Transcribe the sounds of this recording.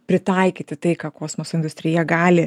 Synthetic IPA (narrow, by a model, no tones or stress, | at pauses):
pʲɾʲɪt̪ɐɪkʲiːt̪ʲɪt̪ɐɪkɑːkoːsmoːsɪnd̪ʊsʲt̪ɾʲɪjɛɡɑːlʲɪ